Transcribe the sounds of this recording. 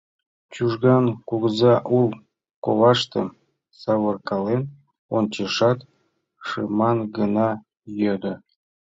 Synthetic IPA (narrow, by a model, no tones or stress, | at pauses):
t͡ɕuʒɡɑnkuɡzɑʔulˠ | ko̰lɑʃt̪ɤ̰̆ | sɑβɤ̆rkɑlen | ont͡ɕeʃɑt̪ | ʃɯmɑnɡɤnɑ | jød̪ə̆